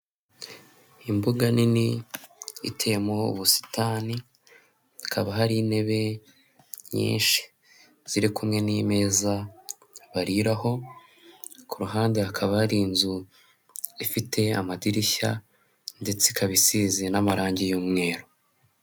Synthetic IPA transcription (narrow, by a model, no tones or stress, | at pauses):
imbuɡanini | ḭtʰe̞mo̞ṵβusi̥taːni | ikʰaβaɦaɾine̞βe̞ | ɲḭːnʃi̥ | z̥iɾikumŋe̞nime̞ːza | βaɾiɾaho̞ | kuɾuɦaːnde̞hakʰaβahaɾiːnzu | ifite̞amadiɾiça̰ | nde̞t͡sekʰaβisizenamaɾaːɲɟijuːmŋe̞ːɾo